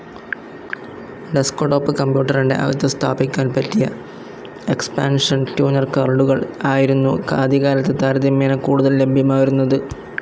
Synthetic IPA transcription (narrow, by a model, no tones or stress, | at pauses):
ɖeskoɖo̞ːpːɨkɐmbjuːʈːɐriɳɖe̞̰ʔɐ̰ʋɐt̪ːɐst̪ʰaːbikʲːaːnpɐtːijɐ | e̞kspaːnʂɐntjuːnɐrkɐrɖuɣɐɭaːjiɾunːukaːd̪iɣaːɾɐt̪ːet̪aːɾɐðjɐmeːnɐkːuːɽuðɐlle̞bʱjɐmaːjiɾunːɐðɨ